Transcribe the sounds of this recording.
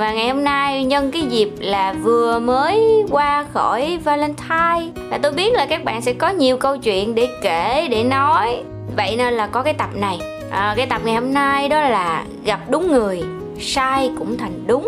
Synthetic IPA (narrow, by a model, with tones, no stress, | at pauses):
vaː˨˩ŋa˨˩jho˧mnaː˧jɲə˧nkaː˨˦jzi˨˩p̚laː˨˩vɨ˨˩əməː˨˦jkwaː˧xɔ˧˩jvaː˧lɛ˧nt̪ʰaː˧j | vaː˨˩t̪o˧jɓi˦˥ət̚laː˨˩kaː˦˥k̚ɓa̰ː˧˨nsɛ̰˧˥kɔ˨˦ɲi˨˩əwkə˧wt͡ɕwḭ˧˨ənɗe˧˩ke˧˩ɗe˧˩nɔ˨˦j | və̰˧˨jne˧nlaː˨˩kɔ˨˦kaː˨˦jt̪ə˨˩p̚na˨˩j | ʔə˨˩kaː˨˦jt̪ə˨˩p̚ŋa˨˩jho˧mnaː˧jɗɔ˨˦laː˨˩ | ɣa˨˩p̚ɗʊ˨˦ŋ͡mŋɨ˨˩əj | saː˧jkʊ̰˧˥ŋ͡mt̪ʰa˨˩jŋ̟ɗʊ˨˦ŋ͡m